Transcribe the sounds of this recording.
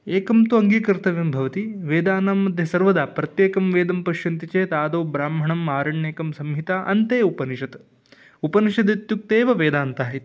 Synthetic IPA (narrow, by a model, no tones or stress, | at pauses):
eːkɐmt̪uɐŋɡiːkɐɾt̪ɐʋjɐmbʱɐʋɐt̪iʋeːd̪aːnaːmːɐd̪ʱjɐsɐɾʋɐd̪aːpɾɐt̪jeːkɐmʋeːd̪ɐmpɐʃjɐnt̪it͡ʃeːt̪aːd̪oːbɾaːmɦɐɳɐmːaːɾɐɳjeːkɐmsɐmɦit̪aʔɐ̰nt̪eːupɐniʃɐt̪ | upɐniʂɐd̪it̪juk̚t̪eːʋɐʋeːd̪aːnt̪aːɦit̪